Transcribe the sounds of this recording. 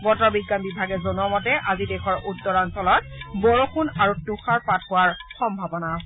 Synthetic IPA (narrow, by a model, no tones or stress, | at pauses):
ɡɔtɔɹbiɡːanbibʱaɡɛzɔnuɔmɔtɛʔazidɛxʰɔɹʔutːɔɹansɔlɔt̚bɔɹoxʰunaɹutuxaɹpathʊwaɹxɔmbʱabɔna